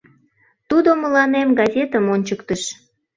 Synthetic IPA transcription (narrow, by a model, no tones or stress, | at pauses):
t̪ud̪oməlɑnemɡɑzʲet̪əmonʲt͡ɕəkt̪əʃ